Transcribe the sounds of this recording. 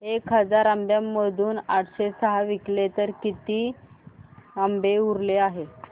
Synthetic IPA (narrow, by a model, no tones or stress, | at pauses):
ekɦəd͡zaɾambjamːəd̪ʱuːnaʈʰɕesəɦaʋiklet̪əɾkit̪iː | ambeuɾleaɦe